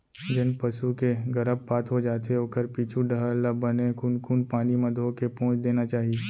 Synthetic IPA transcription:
d͡ʒɪnpɐʃukeɡɐɾəbpaːt̪ɦod͡ʒaːt̪eoːkəɾpiːt͡ʃʰuɖəɦələbɐnekunkuːnpaːnimɐd̪ʱokepõːt͡ʃʰd̪eːnat͡ʃaːɦie

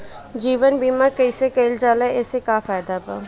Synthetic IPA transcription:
d͡ʒiːʋənbiːmaɾkəisekeɪld͡ʒaːlaɛsekaːfaːjd̪abaː

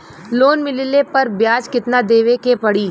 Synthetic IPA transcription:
loːnmɪlɪlepɐɾbjaːd͡ʒkɪt̪nad̪eːʋekepɐɽiː

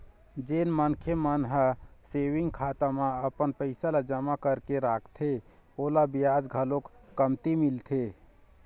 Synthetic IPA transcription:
d͡ʒeːnmənkʰemənɦəseːʋiŋɡ̚kʰaːt̪amãəpənpəɪsalad͡ʒəmakəɾkeɾaːkʰt̪ʰeolabijad͡ʒɡʱəlokːəmt̪imilt̪ʰe

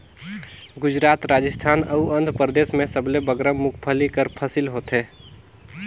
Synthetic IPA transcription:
ɡud͡ʒɾat̪ɾad͡ʒəst̪ʰaːnəuənd̪ʱpɾəd̪esmesəblebəɡɾəmukʰpʰəlikəɾpʰəsilɦot̪ɦe

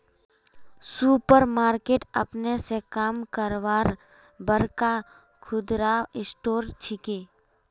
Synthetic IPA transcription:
suːpəɾmaːɾkeːʈɐpnesekaːmkəɾʋaːɾ | bəɾka | kʰʊd̪ɾaɪsʈoːɾt͡ʃʰɪkeː

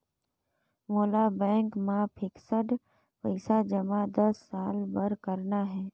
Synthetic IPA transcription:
moːlabɛ̃ːŋkmãpʰɪksəɖ | pəɪsad͡ʒəmad̪əsːaːlbəɾkəɾnaɦɛː

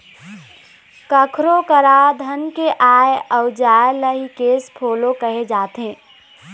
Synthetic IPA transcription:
kəkʰɾokəɾad̪ʱənkeʔaːeəʊd͡ʒaːjləɦikeːspʰoːlokəɦed͡ʒaːt̪ɦẽː

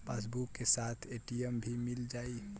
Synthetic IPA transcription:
pas̬bukːesat̪ʰeʈijəmbʱimild͡ʒai

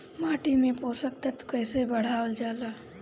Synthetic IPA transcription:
maːʈimẽpoːsək̚t̪ət̪kəjsebəɽ̤aːəld͡ʒaːlaː

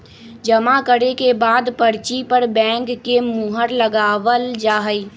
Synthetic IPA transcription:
d͡ʒəmakəɾekebaːd̪pəɾt͡ʃipəɾbɛ̃ːŋkːemuɦəɾləɡaːwəld͡ʒaːɦəi

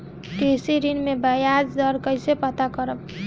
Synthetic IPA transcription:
kesiɾinmebəjad͡ʒd̪ʌɾkʌjsepʌt̪akʌɾəb

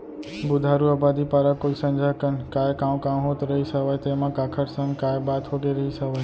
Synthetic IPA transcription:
bud̪ʱaɾuəbad̪ipaɾəkːolsənd͡ʒʱakənkajkãʋ̃kãʋɦot̪ɾəɦisəʋajt̪emãkakʰəɾsəŋkajbat̪ɦoɡeɾəɦisəʋaj

